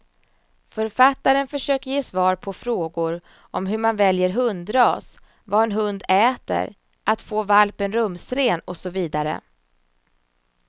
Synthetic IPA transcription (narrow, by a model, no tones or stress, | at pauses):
fœɾfat̪ːaɾənfœʂøːkəɾjeːsvɑːɾpʰɔfɾoːɡʊɾ | ʔɔmɦɵmanvɛljəɾɦɵnd̪ɾɑːs | vaɛnɦɵnd̪ɛːt̪ə̰ɾ | ʔat̪foːvalpənɾɵmsɾeːnɔsɔviːd̪aɾə̰